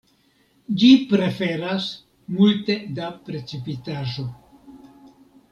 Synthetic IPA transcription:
d͡ʒipɾe̞fe̞ɾas | multe̞dapɾe̞t͡sipitaʒo̞

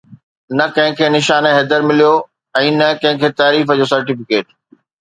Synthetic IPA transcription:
nɐkɐ̃ɦɪ̃kʰeːnɪʃaːneɦed̪əɾmɪlijo | ɛ̃ːnɐkɐ̃ɦɪ̃kʰeːt̪aːɾiːfəd͡ʑoːsɐɾʈɪfɪkeːʈ̚

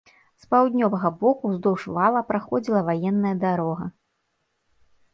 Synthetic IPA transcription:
spawd̪ʲnʲɔvɐɣɐbɔkuzd̪ɔwʂvalˠɐpɾaxɔd͡zʲilˠɐvajɛnːɐjɐd̪aɾɔɣɐ̰

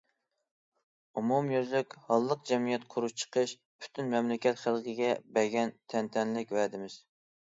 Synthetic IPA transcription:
umumjøzlɪkʲhɑlˠːəq̚d͡ʒɛmijɛt̪qʰʊɾuʃt͡ʃʰə̥qʰəʃ | pʰy̥t̪ʰynmɛmlɪkʲɛt̪χælˠqʰɪɡʲɛbɛɡʲɛnt̪ʰɛnt̪ʰɛnlɪkʲvɛd̪ɪmɪz̥

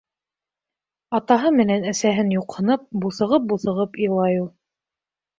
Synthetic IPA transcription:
ɑt̪ɑɦɤmɘ̆nænæsæɦɘnjuqhɤ̆nɤp̚buθɤ̆ʁɤp̚buθɤ̆ʁɤpijlˠɑjulˠ

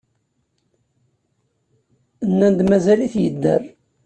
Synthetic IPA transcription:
nːænd̪mæzæliθjəd̪ːə̰r

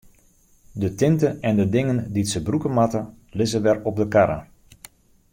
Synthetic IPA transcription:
dətɪntəɛndədɪŋənditsəbrukəmatə | lɪzəʋɛrɔp̚dəkaɾə̰

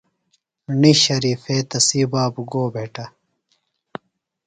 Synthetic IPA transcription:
niɕɐɾiːfeːt̪ɐsiːbaːbuɡoːbʱeːʈɐ

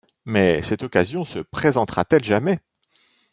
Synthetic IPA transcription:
mɛsɛt̪ɔkazjɔ̃səpχezɑ̃t̪χat̪ɛlʒamɛ

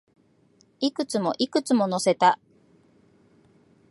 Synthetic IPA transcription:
ikɯ̟t͡sɨmo̞ʔikɯ̟t͡sɨmo̞no̞se̞t̪a

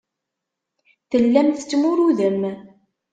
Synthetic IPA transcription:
θəlːæmθt͡sːmʊɾuðəm

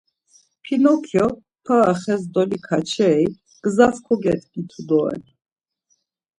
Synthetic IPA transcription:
pʰinɔkʰjɔ | pʰaːχɛsd̪ɔlikʰat͡ʃʰɛi | ɡ̥zaskʰɔɡɛt̪ʰɡit̪ʰud̪ɔɛ̰n

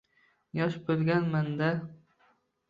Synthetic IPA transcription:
jɒʃbɵlˠɡʲanmand̪a

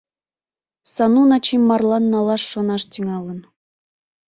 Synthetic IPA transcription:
sɑnunɑt͡ɕimːɑrlˠɑnːɑlˠɑʃːonɑʃt̪ʲyŋɑlˠə̆n

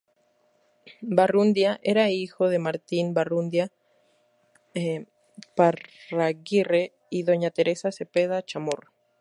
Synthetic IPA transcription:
barund̪jaʔe̞ɾaixo̞ðe̞maɾt̪inbarund̪ja | e | paaɣire̞ | iðo̞ɲat̪e̞ɾe̞sase̞pe̞ðat͡ʃamoɾ

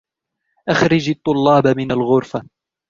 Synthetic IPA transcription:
ʔaxɾɪd͡ʒɑt̪ˤːʊlːɑːbamɪnalɣʊɾfa

